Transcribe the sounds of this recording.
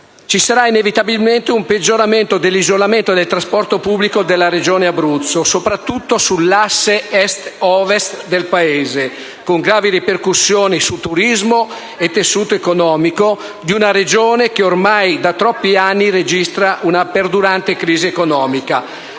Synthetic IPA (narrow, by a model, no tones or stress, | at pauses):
t͡ʃisaɾainevit̪abilment̪eumped͡ʒːoɾament̪od̪elːizolament̪od̪elt̪ɾaspɔrt̪opubːlikod̪elːaɾed͡ʒoːneabɾut̪sːosopɾat̪ːut̪ːosulːasːeɛst̪ɔvest̪d̪elpaeːze | koŋɡɾaːviɾiperkusːjoːnisut̪ːuɾizmo | et̪ːesːuːt̪oekonɔːmiko | d̪iunaɾed͡ʒoːnekeormajd̪at̪ɾɔpːianːiɾed͡ʒist̪ɾaʔunaperd̪uɾant̪ekɾiːziekonɔːmika